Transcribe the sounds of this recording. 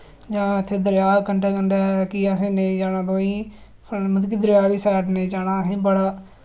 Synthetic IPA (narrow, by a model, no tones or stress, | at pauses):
d͡ʒãːnaət̪ʰːeːd̪əɾjaːkəɳɖaːkəɳɖaːkiːasẽːnẽːd͡ʒaːnãːd̪oːĩː | pʰmət̪kiːd̪əɾjaːliːsɛːʈnẽːd͡ʒaːnãːɦĩːbəɽaː